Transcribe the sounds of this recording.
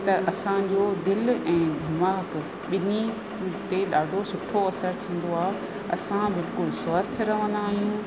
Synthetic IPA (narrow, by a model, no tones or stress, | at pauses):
t̪ɐʔɐsãd͡ʑoːd̪ɪlɛ̃ːd̪ʱɪmaːk | ɓɪni | t̪eɗaːɖʱosʊʈʰoɐsəɾt̪ʰĩːn̆d̪oaːɦe | ɐsãbɪlkʊlswaːst̪ʰɪɾɐʋənd̪aːɦijũ